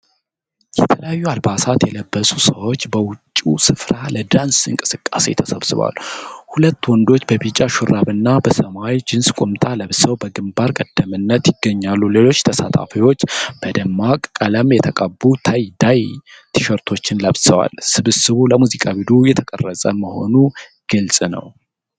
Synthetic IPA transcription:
jɛt̪ʰələjajːualbasat̪jɛləbːəsusəwo̞t͡ʃːbəwʊt͡ʃʼːusɨfɾaləd̪ansɨŋkʼɨsɨkʼːa̰se̞̰t̪ʰəsəβsɨβa̰lːhulət̪ːwɔnd̪o̞t͡ʃːbəbit͡ʃʼaʃuɾʔaβɨnːabəsəmawd͡ʒɪnskʼʊmt̪ʼaləβsəwbəɡɨmbaɾkʼəd̪̥ːəmɨnːət̪jɪɡːəɲːalːule̞lo̞t͡ʃːt̪ʰəsat̪ʰa̰fiwo̞t͡ʃːb̥əd̪əmːakʼkʼːələmjɛt̪ʰəkʼəbːut̪ʰajd̪ajt̪ʰɨʃəɾt̪ʰo̞t͡ʃːɪnləβsəwa̰lsɨβɨsɨβuləmuzikʼawid̪ujɛt̪ʰəkʼərːəsʼəməho̞̰nuɡ̥ɨlsʼnə̰w

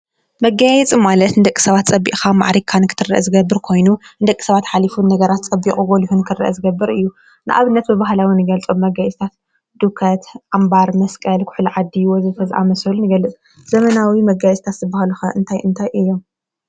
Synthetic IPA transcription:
mɐɡajɛt͡sʼimalɐt̪nɨd̪ɐkʼːi̥sɐβat̪t͡sʼɐbːḭʔxama̰ʕɾikʰːanɨkʰɨt̪ʰɨrɐ̰ʔɐzɨɡɐbːɨɾkʰo̞jnund̪ɐkʼːi̥sɐβat̪ħalifunːɐɡɐɾat̪t͡sʼɐbːikʼuɡʼolihunkʰɨrːɐ̰ʔɐ̰zɨɡɐbːɨɾɨjːu | nɨʔa̰βɨnːɐt̪̚bɨβaɦlawinɨɡɐlt͡sʼo̞mːɐɡajɛt͡sʼt̪ʰat̪ | d̪̥ukʰɐt̪ʔambaɾmɐskʼɐlkʰʊ̥ħlʕad̪ːiwɔzɨt̪ʰɐzʔa̰mɐsɐlunɨɡɐlːɨt͡sʼ | z̥ɐmɐnawimɐɡajsʼt̪ʰat̪zɨbahluxɐʔɨnt̪ʰajʔɨnt̪ʰajʔɨjːom

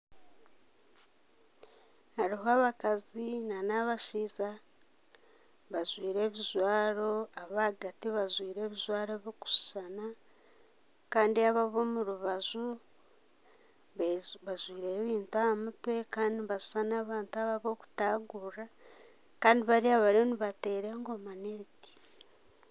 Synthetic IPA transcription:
haɾiɦoaːβakazinanaβaʃiːza | βazwiːɾe̞ːβizwaːɾo̞aβaːɡatiβazwiːɾe̞ːβizwaːɾeβoku̥su̥sana | kaːndiaβaβo̞ːmuɾuβazu | ββazwiːɾe̞ːβiːntuaamutwe̞kaːndiβasu̥sanaːβaːntuaβaβo̞ːku̥taːɡura | kaːndiβaɾiaβaɾoniβate̞ːɾeŋɡo̞maneɾiki̥

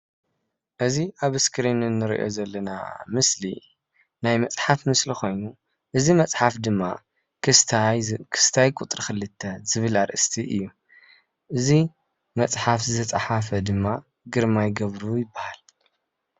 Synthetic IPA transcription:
ʔɨziʔaβɨskʰɨɾenɨnːɨɾḭʔo̞̰zɐlːɐna̰mɨsli | najmɐt͡sʼħafmɨslixo̞jnu | ʔɨzimɐt͡sʼħafd̪ɨmːa | kʰɨst̪ʰakʰɨ̥st̪ʰajkʼut̪ʼɾixɨlːɨt̪ʰːɐz̥ɨβɨlaɾʔɨst̪ʰiʔɨjːu | ʔɨzi | mɐt͡sʼħafzɨt̪ʰɐt͡sʼaħafɐd̪ɨmːa | ɡɨɾmajɡɐβɾujɪbːahal

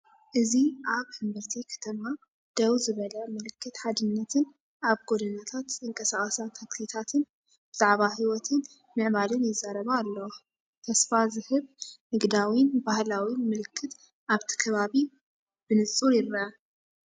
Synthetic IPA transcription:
ʔɨziʔaβhɨmbɐɾt̪ʰikʰɐ̥t̪ʰɐma | d̪̥ɐwzɨβɐlɐmɨlɨkʰːɨt̪ħad̪ɨnːɐt̪ʰɨn | ʔaβɡod̪ɐnat̪ʰat̪ɨŋkʼɐsaχʼɐsat̪ʰaksit̪ʰat̪ʰɨn | b̥ɨz̥aʕbahiwɔt̪ʰɨn | mɨʕbalɨnjɪzːaɾɐβaːlːɐwo | t̪ʰɐsfazɨhɨβnɨɡd̪awinbahlawimɨlɨkʰːɨt̪ | ʔaβt̪ʰi̥kʰɐβaβi | b̥ɨnɨt͡sʼuɾjɪɾɐa

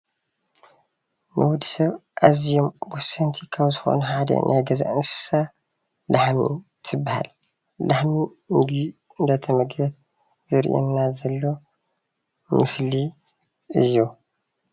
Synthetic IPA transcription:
nʔɨwʊd̪sɐβʔazijomwɔsːɐnt̪ʰikʰaβzɨxo̞̰nɐħad̪ɐ̰nʔajɡɐza̰ʔɨnsɨ̥sa | laħmḭ | t̪ʰɨbːaha̰l | daħmi | nd̪i | ɨnd̪ɐt̪ʰɐmɐɡɐt̪̚ | zɨɾ̰ʔḛnːazɐlːo̞ | mɨsli | ɨjːu

